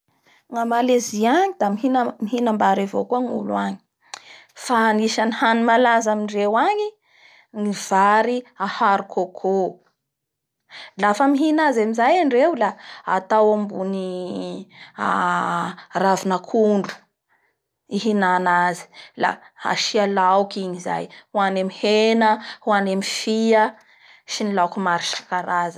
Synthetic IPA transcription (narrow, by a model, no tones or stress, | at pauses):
ŋamaleziaɲid̪amiɦinamiɦinambaɾivokuaŋṵluaɲi̥ | faniʃanihanimalazaminrewaɲi | ŋiv̥aɾiahaɾukʰokʰo | lafəmiɦinazamizajaɳɖ͡ʐewlaa̰t̪awambuni | a | ravinakʰuɳɖ͡ʐu̥ | iɦinanazi̥la̰ | a̰ʃialawkiɲiza̰jhuanemihenəhuanemifiə | ʃinilawkumaɾiʃi̥kaɾazə